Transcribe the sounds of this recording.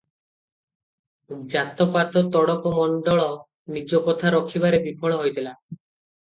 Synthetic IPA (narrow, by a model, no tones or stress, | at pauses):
d͡ʒat̪ɔpat̪ɔt̪ɔɽɔkɔmɔɳɖɔɭɔ | nid͡ʒɔkɔt̪ʰaɾɔkʰiβaɾebipʰɔɭ̃ɔɦojt̪ʰila